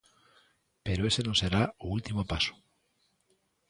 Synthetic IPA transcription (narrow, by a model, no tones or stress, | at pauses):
pe̞ɾoesenõse̞ɾaoult̪imopaso̥